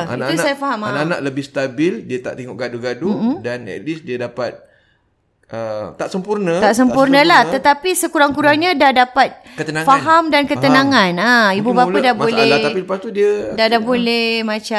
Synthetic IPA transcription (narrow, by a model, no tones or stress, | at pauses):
a̰niat̪usajafaɦamanana̰ʔləbɪhst̪abɪldiət̪a̰ʔt̪eŋɔʔɡaduɡadum̩m̩danɛ̰ʔlisdiədapat̪̚ | ʔət̪aʔsəmpurnət̪ʔsəmpurnəlah̪ət̪apisəkuɾaŋkuɾaŋɲadahdapat̪̚kət̪ənãŋfaɦamdankət̪ənãŋãnaibubaadabolɛapiləpast̪udiədadabolɛhmãt͡ʃa